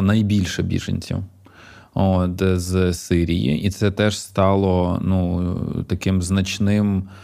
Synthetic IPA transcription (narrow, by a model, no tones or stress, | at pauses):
nɐjbʲilʲʃɛbʲḭʒɐ̰nʲt͡sʲḭw | ot̪zsɪɾʲijḭʔit̪sɛt̪ɛʂst̪ɑlˠɔnut̪ɐkɪmznɐt͡ʃnɪm